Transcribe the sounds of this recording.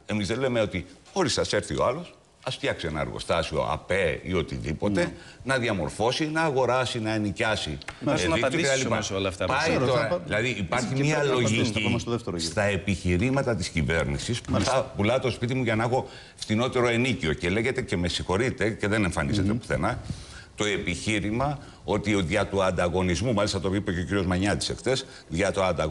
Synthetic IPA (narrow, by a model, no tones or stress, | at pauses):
e̞mizðenle̞meo̞t̪ixo̞ɾisɐse̞ɾθio̞̰ɐlo̞s | ɐsft̪çɐksie̞nɐ̰ɐ̰ɾɣo̰st̪ɐsio̞̰ɐ̰pe̞ḭo̞t̪ḭðipo̞t̪e̞nɐðiɐmo̞̰ɾfo̞sinɐːɣo̞ɾɐsinɐenicɐsieðiot̪ɐipɐsolɐft̪ɐpɐit̪oɾɐðilɐðiʔipɐɾçimiɐlo̞iisðeft̪eɾost̪ɐe̞piçiɾimɐt̪ɐt̪iscive̞ɾnisispθɐpulɐt̪o̞spit̪̬imuʝɐnexo̞ | ft̪ino̞t̪e̞ɾo̞e̞nicio̞ce̞le̞ʝe̞t̪e̞ce̞me̞sixo̞ɾit̪e̞ce̞ðe̞ne̞ɱfɐnize̞t̪epu̥θe̞̰nɐ | t̪o̞e̞piçiɾimɐ | o̞t̪ioðʝɐt̪uɐnd̪ɐɣo̞nizmumɐlist̪ɐt̪o̞ipeceociɾio̞zmɐɲɐt̪i̥se̞kt̪e̞s | ðʝɐt̪oɐnd̪ɐɣ